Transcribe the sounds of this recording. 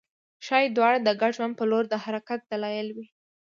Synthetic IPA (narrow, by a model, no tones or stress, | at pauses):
ʃɑjed̪wɑɽad̪əɡaɖʒwand̪̚pəloɾd̪əhaɾakat̪̚d̪̥alɑjɪlwi